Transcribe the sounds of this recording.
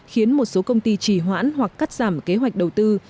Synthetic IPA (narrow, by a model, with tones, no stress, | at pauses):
xi˨˦ənmo˨˩t̚so˨˦kə˧wŋ͡mt̪i˧t͡ɕi˧˩ɦwa̰ː˧˥nhwa˨˩kːaː˦˥t̚z̥aː˧˩mke˨˦ɦwa˨˩jk̟̚ɗə˨˩wt̪ɨ˧